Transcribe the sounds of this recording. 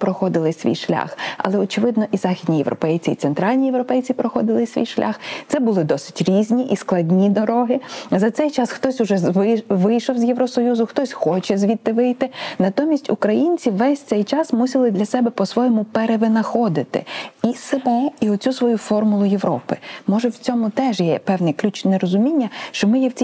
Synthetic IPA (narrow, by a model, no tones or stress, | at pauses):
pɾɔxɔd̪ɪlˠɪsʲʋʲḭjʃlʲa̰xɐ̰lˠɛɔt͡ʃɪʋɪd̪nɔʔizɑxʲid̪ʲnʲijḛʋɾʔɔ̰pɛjt͡sʲiːt̪sɛnt̪ɾɑlʲnʲijeʋɾɔpɛjt͡sʲipɾɔxɔd̪ɪlˠɪsʲʋʲḭjʃlʲʔa̰xt̪sɛbʊlˠɪd̪ɔsɪ̥tʲɾʲizʲnʲiʔisklˠɐdʲnʲid̪ɔɾɔɦɪzɐt̪sɛjt͡ʃɑsxt̪ɔsʲʊʒɛʋʋɪjʃɔwzʲjeʋɾɔsɔjuzʊxt̪ɔsʲxɔt͡ʃɛzʲʋʲid̪t̪ːɪʋɪjt̪ɪnɐt̪ɔmʲisʲtʲʊkɾɐjinʲt͡sʲiʋɛsʲtsɛjt͡ʃɑsmusʲɪlˠɪd̪lʲɐsɛbɛpɔsʋɔjɔmʊpeɾeʋɪnɐxɔd̪ɪt̪ɪ̰isemɔiɔt͡sʲusʋɔjufɔrmʊlˠʊje̞ʋɾɔpɪmɔʒɛwt͡sʲɔmʊt̪ɛʒjɛpɛwnɛklʲut͡ʃnɛɾɔzʊmʲinʲːɐʃt͡ʃɔmɪjɛwt͡sʲi